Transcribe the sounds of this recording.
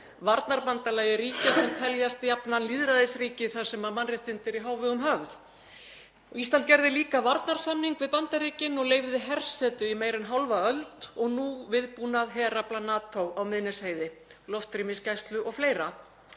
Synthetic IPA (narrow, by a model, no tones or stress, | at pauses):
vaɾt̪naɾpant̪alaːjɪɾiːcasɛmt̪ʰɛljast̪japnanliːðɾaðɪsriːcɪθḁsɛmaðmanrɪht̪ɪnt̪ɪɾiɦaːwvɪðʏmɦœvð | ɔɣist̪ant̪cɛɾðɪliːkavaɾt̪naɾ̥samniŋkvɪðpant̪aɾiːcɪnɔɣleːjvðɪɦɛr̥sɛːt̪ʏimeːjɾɪnɦawlvaœlt̪ɔɣnuvɪðpuːnaðɦɛːɾaplanaːt̪ʰowawmɪðnɛsheːjðɪlɔft̪ɾimɪscajst̪lʏʔɔɣfleːjɾa